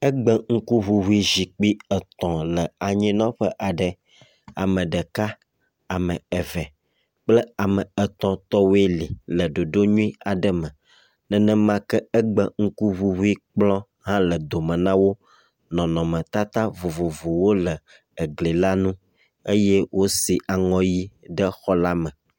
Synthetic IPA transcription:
ə˦ɡ͡bə˦ŋ̩˦ku˦vu˨ɦu˦i˦zi˨k͡pi˦ə˨t̪ɔ̃˨lə˨a˨ɲĩ˦nɔ̃˦ɸə˦ʔa˨ɖə˨ | a˨mə̃˨ɖə˨ka˦ | a˨mə̃˨ə˨vɛ˨ | k͡plə˦a˨mə˨ə˨t̪ɔ̃˨t̪ɔ˦wi˦li˨lə˨ɖo˨ɖo˦ɲũ˦i˦a˨ɖə˦mə̃˨ | nə̃˦˨nə̃˦mã˦kə˦ə˦ɡ͡bə˦ŋ̩˦ku˦βu˦vu˦i˦k͡plɔ̃˦ | ɦã˦lə˨d̪o˨mə̃˨nã˦wo˦ | nɔ̃˨nɔ̃˨mə̃˨t̪a˦t̪a˦vo˨vo˨vo˨wo˦lə˨ | ə˨ɡli˨la˦nũ˦ | e˦je˦wʔo˦si˨ʔa˨ŋɔ̃˦ji˦ɖə˦xɔ˦la˦mə̃˨

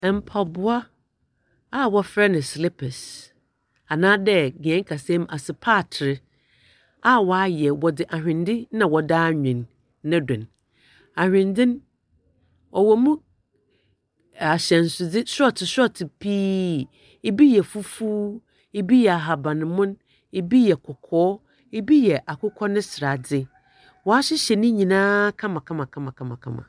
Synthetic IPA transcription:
ɛ˨m̩˨pʰa˨bʊ˦a˦ | a˦˨wɔ˦fɾɛ˦nɪ̃˨sli˦pʰɛ˨s | a˨nãː˦dɛ˦ɡɛ̃˦ŋ˦kʰa˨sɛ̃˦m˦a˨sɪ˨pʰaː˦˨tʰɪ˨ɾɪ˦ | a˦wɔ˨˦a˦jɛ˨wɔ˨dɪ˨ʔa˨ɦᶣɪ̃˨ndɪ˦nã˨wɔ˨daː˦ɲᶣɪ̃˨nː | ã˦dɪ̰̃˨n | a˨hᶣɪ̃˨ndɪ̃˦n˦ | ɔ˨wɔ˨mũ˦ | a˨ɕɛ̃˨n˨sʊ˨d͡zɪ˦sɔ˦˨tʰɪ˨sɔ˦tʰɪ˨pʰiː˦ | e˨bi˦jɛ˨fu˦fuː˦ | e˦bi˦jɛ˨a˨ɦa˨bã˨nɪ̃˨mʊ̃˦n | e˨bi˦jɛ˨kʰɔ˨kʰɔː˦ | e˦bi˦jɛ˨ʔa˨kʊ˦kʰɔ˦nʊ̃˦sɪ˨ɾa˨d͡zɪ˦ | wɔ˨a˦ɕɪ˦ɕɛ˨nɪ̃˦ɲĩ˨nãː˦kʰã˦mã˨kʰã˦mã˨kʰã˦mã˨kʰã˦mã˨kʰã̰˦mã̰˨

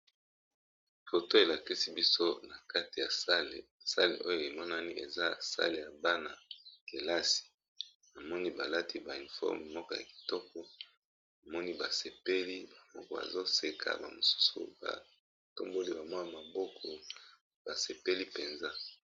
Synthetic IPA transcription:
fo˨to˦e˨la˨ki˦si˦bi˦so˦na˨ka˦ti˨ja˨sa˦le˨sa̰˦lḛ˨ʔo˦jo˦˨e˨mɔ˦na˦ni˦ʔe˨za˦sa̰˦le˨ja˨ba˦na˨ke˨la˦si̥˨ | na˨mɔ˦ni˦ba˨la˦tʰi˦ba˨i˨nfɔ̰˦m˨mɔ˦kɔ˦ja̰˨ki̥˨tɔ˦kʰɔ˦ | na˨mɔ˦ni˦ba˨se˨pe˦li˦ba˨mɔ˦kɔ˨ba̰˨zo˦se˨kʰa̰˨ba̰˨mo˨su̥˦sṵ˨ba̰˨ | to˦mbo˦li˦ba˨mɔ˦ja˨ma˨bɔ˦kʰɔ˨ | b̥a˨se˨pe˦li˦pe˨nza˦

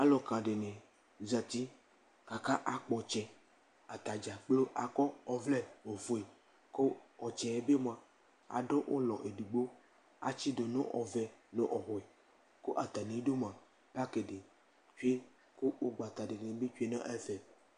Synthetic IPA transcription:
a˦lɔ˨kã˨ɖe˨nẽ˨ | za˨t̪i˦ | ka˨ka˦ʔa˨k͡pɔ˨t͡ʃɛ˨ | a˨t̪a˨d͡ʒa˨k͡plo˦ʔa˨kɔ˦ɔ˨vlɛ˦o˨fo˨e˨ | ko˦ɔ˨t͡ʃɛ˨e˦be˦m˦ã˨ | a̰˨ɖo˦ʔo˦lɔ˨ʔe˨ɖu˨ɡ͡bo˦ | a̰˨t͡ʃi˦ɖo˨nõ̰˦ʔɔ̰˨vɛ˨nõ̰˦ʔɔ˨ɦɔ˨e˨ | ko˦ʔa˨t̪a˨nĩ˨˦ɖo˦mã˨ | pa˦ke˨ɖe˨ | t͡ʃu˦e˦ | ko˦wo˦ɡ͡ba˨t̪a˨ɖe˨nẽ˨be˦t͡ʃu˦e˦nã˦ʔɛ˦fɛ˨

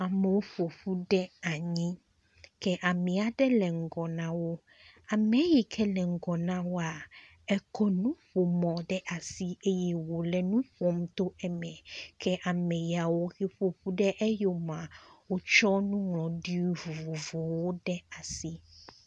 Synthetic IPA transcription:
a˨mɛ˨wo˦ɸo˨ɸu˦ɖɛ˦a˨ɲĩ˦ | kɛ˦ʔa˨mĩ˨a˨ɖɛ˦lɛ˨ŋ̩˨ɡɔ˨nã˨wo˦ | a˨mɛ̃˨˦ji˨kʰɛ˦lɛ˨ŋ̩˨ɡɔ˨nã˦wo˦a˨ | ɛ˦kɔ˦nũ˦ɸo˨mɔ̃˨ɖɛ˦ʔa˨si˦e˦ji˨wo˨lɛ˨nũ˦ɸo˦m˦t̪o˦ɛ˨mɛ̃˨kʰɛ˦ʔa˨mɛ˨ji˨a˨wo˦xe˦ɸo˨ɸu˦ɖɛ˦ʔɛ˦jo˨mã˨wo˦t͡ʃɔ˦nũ˦ŋlɔ̃˨ɖi˦o˦vu˨vo˨vo˨wo˦ɖɛ˦a˨si˦

